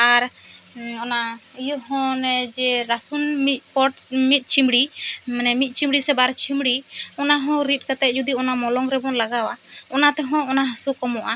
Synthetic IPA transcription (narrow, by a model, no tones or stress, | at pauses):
aɾ | ɔnaijɔɦɔ̃nɛd͡ʒɛɾasunmit̪̚ˀpɔʈmit̪̚ˀt͡ʃʰimɽimɛnɛmit̪̚ˀt͡ʃimɽisɛbaɾt͡ʃʰimɽiɔnaɦɔ̃ɾit̪̚ˀkat̪ɛt̪̚ˀd͡ʒud̪iɔnamɔlɔŋɾɛbɔnlaɡawaɔnat̪ɛɦɔ̃ɔnaɦasukɔmɔʔa